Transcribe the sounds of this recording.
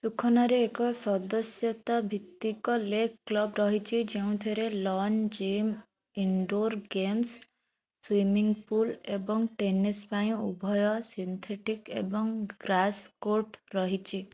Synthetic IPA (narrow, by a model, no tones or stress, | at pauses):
sukʰɔnaɾeːkɔsɔd̪ɔsjɔt̪abʱit̪ːikɔlekʰkːlɔbɾɔɦit͡ʃʰid͡ʒeũt̪ʰiɾelɔnd͡ʒim | iɳɖoɾɡems | swimiŋɡpulebɔŋʈenispaj̃ṵbʱɔjɔsint̪ʰeʈikḛbɔŋɡɾaskoɾʈɾɔɦit͡ʃʰi